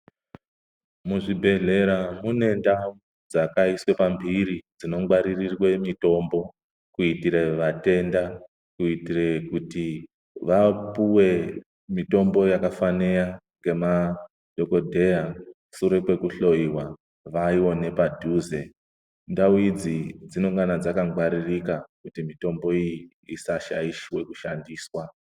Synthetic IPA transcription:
muʐibʱe̞ɮe̞ɾamune̞ndau | d͡zakaiswe̞pambʱiɾid͡zino̞ŋɡwaɾirirwe̞mito̞mbo̞ | kuitiɾe̞ʋate̞nda | kuitirekuti | ʋapuwe̞ | mito̞mbo̞jakafanejaŋɡe̞ma | dʱo̞ko̞dʱe̞ja | suɾe̞pwe̞kuɬo̞iwa | ʋaiwo̞ne̞padʱuːze̞ | ndawid͡zid͡zino̞ŋɡanad͡zakaŋɡwaɾirikakutimito̞mbo̞iji | isaʃa̰iʃwe̞ku̥ʃandiːswa

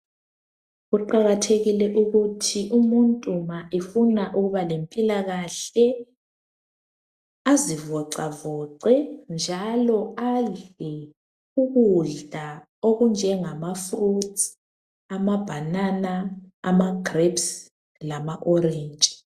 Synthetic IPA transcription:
ɣuǃaɣatʰeɣilɛʔuɣutʰiʔumuntʼumaʔefunaʔuɣuβalempʼilaɣaɬɛ | azivɔǀavɔǀɛnd͡ʒʱalɔaɮɛ | uɣuɮdʱa | oɣund͡ʒʱɛŋamafrut | amab̥ʱananaːmaɡrebs | lamaʔɔɾeːnt͡ʃʼi̥

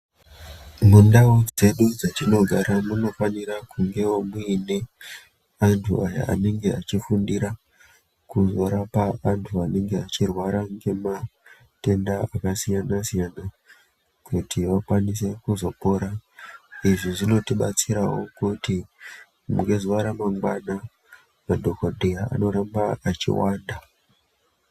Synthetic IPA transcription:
mundaod͡ze̞ɗud͡zatino̞ɡʱaɾamuno̞faniɾakuŋɡe̞womuine̞ | antʰṵaja̰a̰ne̞ŋɡe̞at͡ʃifundiɾa | kuzo̞ɾapaantʰuane̞ŋɡe̞at͡ʃirwaɾaŋɡe̞ma | te̞ndaakasijanasijana | kutʰiʋakwanis̬ekuzo̞po̞ɾa | iʐiʐino̞tiɓa̰t͡siɾawo̞̰kuti | mṵŋɡezoaɾamaŋɡwana | madʱo̞kodʱeaa̰no̞ɾambaat͡ʃḭwaːnda

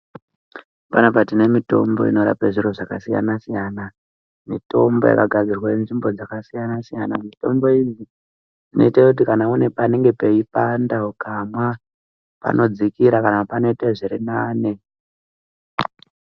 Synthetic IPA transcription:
panapatine̞mito̞mbo̞̰ḭno̞ɾapeʐiɾoʐakasija̰nasijana | mito̞mbo̞̰ja̰kaɡʱad͡zirwanenʐimbo̞d͡zakasijanasijanamito̞mbo̞izi | ʐ̥ino̞̰itakut̬ikanaune̞pane̞ŋɡe̞pe̞ipandaukamwa | pa̰nʔo̞d͡zikiɾakanapano̞itaʐiɾinaːne̞

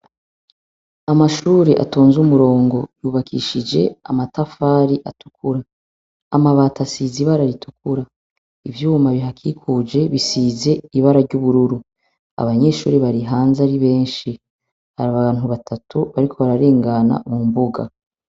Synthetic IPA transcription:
amaʃuːɾeʔa̰to̞ːnzumuɾo̞ːŋɡo̞juːβakʰḭʃid͡ʒe̞a̰matafaːɾiʔatu̥kʰuɾaː | maβaːtasiziβaɾaɾitukuɾa | ivjuːmaβiɦakʰikʰuːd͡ʒe̞βisiːze̞iβaɾaɾɟuβuɾuɾu | a̰βaɲe̞ːʃṵːɾiβaɾiɦaːnzaɾiβe̞ːnʃi | haɾaβaβaːn̥uβatʰatuβaɾikʰo̞βaɾaɾe̞ːŋɡana̰mumbuɡa̰

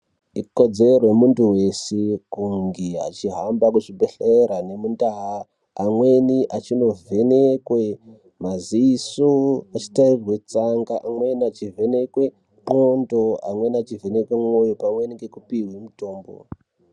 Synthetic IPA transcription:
iko̞d͡zerwemuntuwe̞sekuŋɡia̰t͡ʃiɦambakuʐibʱeɬeɾane̞mundaɦa | amwe̞niʔat͡ʃino̞vʱe̞nekwe̞ | maziːsoat͡ʃi̥tairirwe̞ut͡saŋɡaʔamwe̞niat͡ʃivʱe̞ne̞kwe̞ | mondo̞a̰mwe̞nat͡ʃivʱenekwemo̞jopamwe̞niɡe̞kupiwemuto̞ːmbo̰

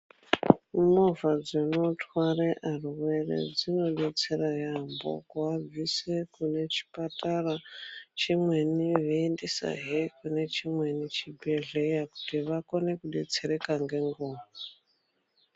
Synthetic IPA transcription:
movad͡zono̞twareʔaruwe̞rḛd͡zino̞ɗe̞t͡se̞rajambo̰kuavisekune̞t͡ʃi̥patarat͡ʃimweniʋeendisa̰ɦekune̞t͡ʃimwenit͡ʃibʱeɮejaku̥tiʋako̞ne̞kuɗḛt͡seɾe̞kaŋɡe̞ŋɡoːma

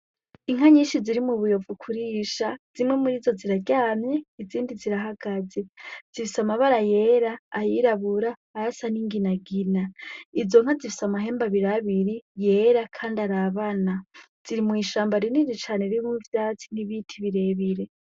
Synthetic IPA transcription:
iŋ̥aɲiːʃiziɾimuβujo̞vukʰuɾiːʃaz̥imŋe̞muɾiːzo̞ziɾaɟaːmɲeiziːndiziɾaɦaɡ̥aze̞z̥ifisamaβaɾaje̞ɾaːjiɾaβuɾaːɾasaniŋɡinaɡinaizo̞ŋhazifi̥samaɦe̞ːmbaβiɾaβiɾije̞ːɾakʰaːndaɾaβana | z̥iɾimwiːʃaːmbaɾiniɾit͡ʃaːneɾimuvjaːt͡si̥niβitʰiβiɾe̞βiɾe̞

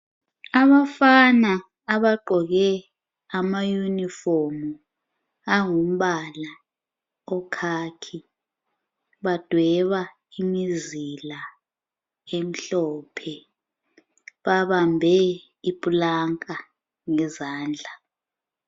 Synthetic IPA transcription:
aβafanaː | βaǃɔɣɛ | amajunifɔrmu | aŋum̩ɓala | ɔkʰakʰi | ɓad̥ʱwɛβa | imizila | em̩ɬɔːpʰɛ | ɓaβambʱɛ | ipʼulaŋkʼa | ŋɛzaːnd͡ɮʱa

